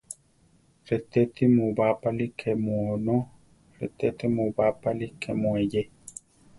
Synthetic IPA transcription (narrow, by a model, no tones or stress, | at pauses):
ɾet̪et̪imũbapalikʰemuonõ | ɾḛt̪et̪imũbapalikʰemweje